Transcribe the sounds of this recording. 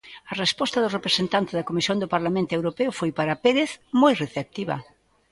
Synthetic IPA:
ɐrespɔst̪ɐðʊrepɾesent̪ant̪ɪzðɐkomisjõŋd̪opaɾlamẽnt̪ʊewɾopeʊfojpaɾapeɾeθmojreθep̚t̪iβɐ̰

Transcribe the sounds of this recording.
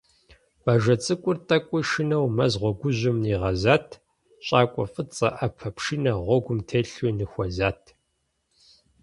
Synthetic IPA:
baːʒɐt͡sʼɨkʷʼʊrtʼɐkʷʼʊʃɪnɐwmɐzʁʷɔɡʷʊʑɪmniːʁɐzaːtʰ | ɕʼaːkʷʼɔfʼɨt͡sʼɐ̰ʔɐpʰɐpʃinɐʁʷɔɡʷʊmtʰeːɬunɨxʷɐzaːtʰ

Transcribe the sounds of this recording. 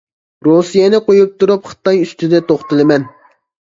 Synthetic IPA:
ɾosijɛnɪqojup̚t̪ʰuɾupχə̥t̪ɑjyst̪ʰyd̪ɛt̪ʰoχt̪ɨlˠɨmɛn

